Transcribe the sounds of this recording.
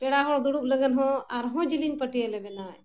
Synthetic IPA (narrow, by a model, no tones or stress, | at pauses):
pɛɽaɦɔɽd̪uɽup̚ləɡənɦɔ̃aɾɦɔ̃d͡ʒilinpəʈijəlɛbɛnaj